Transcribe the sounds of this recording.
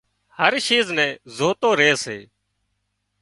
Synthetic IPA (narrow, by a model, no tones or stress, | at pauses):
həɾʃiːznɛ̃ːzoːt̪oːɾeːseː